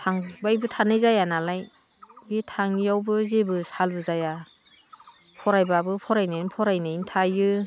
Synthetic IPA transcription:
tʰaŋbajbɯtʰanɯjzajanalaj | bitʰaŋjawbɯzebɯsalbɯzaja | pʰɔɾajbabɯpʰɔɾajnɯjnpʰɔɾajnɯjntʰajɯ

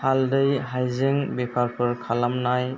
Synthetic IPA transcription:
haldɯjɦajzeŋbipʰaɾpʰɯɹkʰalamnaj

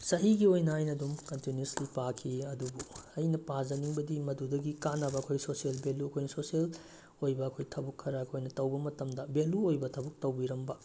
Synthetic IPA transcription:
sɐɦiɡiojnɐajnɐdumkɐntunjuslipakʰiɐdubuɐjnɐpazɐniŋbɐdimɐdudɐɡikanɐbɐɐkʰojsosielbeluɐkʰojnɐsosiel | ojbɐːkʰojtʰɐbukʰːɐɾaɐkʰojnɐtɐwbɐmɐtɐmdɐbeluojbɐtʰɐbuk̚tɐwbiɾɐmbɐ

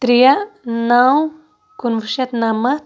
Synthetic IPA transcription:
t̪ɾianaw | kunvuʃat̪namat̪

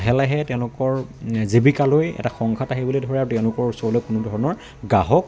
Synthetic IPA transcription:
ɦɛlɛɦɛtɛʊ̃lʊkɔɹzebikalojɛ̰taxɔŋkʰataɦibulidʱɔɹɛaɹutɛʊ̃lʊkɔɹusɔlɔkʊnʊdʱɔɹɔnɔɹ | ɡaɦɔk

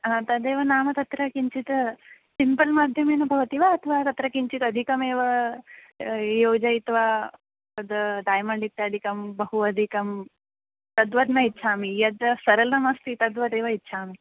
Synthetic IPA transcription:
ãt̪ɐd̪eːʋɐnaːmɐt̪ɐt̪ɾɐkiɲt͡ʃit̪ | simpɐlmaːd̪ʱjɐmeːnɐbʱɐʋɐt̪iʋɐːt̪ʰɐʋaːt̪ɐt̪ɾɐkiɲt͡ʃit̪ɐd̪ʱikɐmeːʋɐ | joːd͡ʒɐit̪ʋaː | t̪ɐd̪ɖaːjmɐɳɖikt̪ad̪ikɐmbɐɦuɐd̪ʱikɐm | t̪ɐd̪ʋɐd̪nɐitːʃʰaːmijɐd̪sɐɾɐlɐmɐst̪it̪ɐd̪ʋɐd̪eːʋɐitːʃʰaːmi

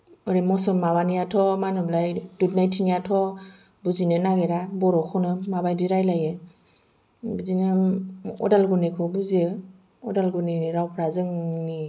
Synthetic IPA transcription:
ɔɾemɔsɔnmabanijatʰɔmanɯblajdut̚najtʰinijatʰɔ | buzinɯnaɡeɾabɔɾɔkʰɔnɯmabajdiɾajlaje | buzinaɔ̰dalɡunikʰɔbuziɯ | ɔdalɡuniniɾawpʰɾazɯŋni

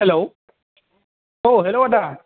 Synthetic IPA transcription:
helo | ʔoɦeloʔaaː

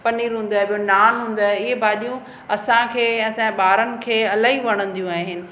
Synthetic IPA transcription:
pɐniːɾɦũːn̆d̪aːɦebijonaːnɦũːnd̪aːeɪɦebʱaːɗijũ | ɐsãkʰẽːɐsãɓaːɾənɪ̆kʰeːɐlaːɦiʋɐɽ̃ə̃nd̪ijũaːɦɪnɪ̆

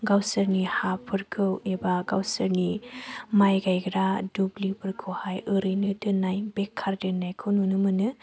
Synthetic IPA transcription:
ɡawsəɾnihapʰɯɾkʰɯwebaɡawsɯɾnimajɡajɡɾadublipʰɯɾkʰɯhajɯɾɯjnɯdɯnajbekʰːaɾdɯnajkʰɯwnunɯmɯnɯ

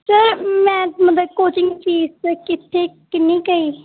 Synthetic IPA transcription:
səɾmɛ̃ːmət̪ləb̚koːt͡ʃɪ̃ŋɡt͡ʃiːzkɪt̪ʰːeːkɪnːiːkəiː

